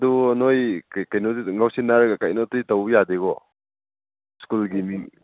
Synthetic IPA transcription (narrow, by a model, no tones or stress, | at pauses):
duɐnojkajnoiŋawsinaɾɡakajnotiitɐwjadeɡɔ | skulɡimiŋ